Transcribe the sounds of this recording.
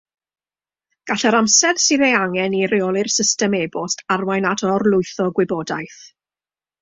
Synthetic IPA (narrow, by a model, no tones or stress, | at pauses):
ɡ̥aɬɛɾamsɛðsɪðejaŋɛnirɪɔlˠɪrsɪstɛmebʊstarwajnatʰɔrlˠʊɨθɔɡwɪbɔdajθ